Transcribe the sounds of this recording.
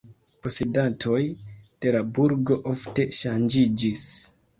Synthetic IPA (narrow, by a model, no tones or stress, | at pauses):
po̞sedatʰo̞jd̥e̞labuɾɡo̞ʔo̞fte̞ʃand͡ʒid͡ʒis